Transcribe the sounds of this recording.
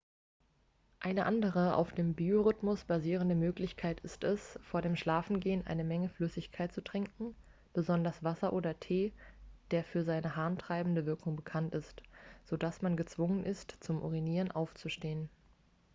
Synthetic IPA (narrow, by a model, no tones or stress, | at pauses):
ʔaɪnəʔandəʁ̞əʔa̰ʊfd̥eːmbioʁʏtmʊsb̥aziːʁ̞əndəmøːklɪçkʰaɪtɪstɛsfoːɐɾeːmʃlaːfn̩ɡeːənʔa̰ɪnəmɛŋəflʏsɪçkʰaɪtt͡sutʁ̥ɪŋkŋ̩ | b̥əzɔndɐsv̥asɐʔoːdɐtʰeːd̥eːɐfyːɐzaɪnəɦaːntʁ̥aɪbm̩dəvɪɐkʰʊŋbəkʰantɪstz̥odasmanɡət͡sv̥ʊŋənʔɪstt͡sʊmʔo̰ʁiniːʁənʔaʊft͡suʃteːən